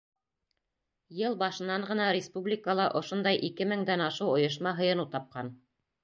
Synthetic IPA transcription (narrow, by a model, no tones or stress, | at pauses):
jɤlˠbɑʃɤ̆nːɑɴɢɤ̆nɑɾʲɪspublʲikəlˠɑʔŏʃond̪ɑjʔikɘmɘ̆ŋd̪ænɑʃɤwŏjɤ̆ʃ̬mɑɦɤ̆jɤ̆nut̪ɑp̚qɑn